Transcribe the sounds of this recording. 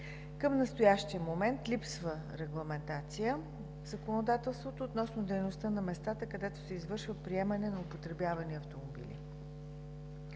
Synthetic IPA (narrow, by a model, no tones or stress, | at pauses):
kəmnɐst̪ojaʃt̪iəmomɛnt̪lʲipsvə | ɾɛɡlˠɐmɛnt̪at̪sijə | vzɐkonod̪at̪ɛlˠst̪vot̪oːt̪nɔsnod̪ɛjnost̪ənɐmɛst̪at̪əkɐd̪ɛt̪o̥sɛizvɤɾʃvəpɾiɛmənɛnɐopot̪ɾɛbjavɐniɐft̪omobḭlʲḭ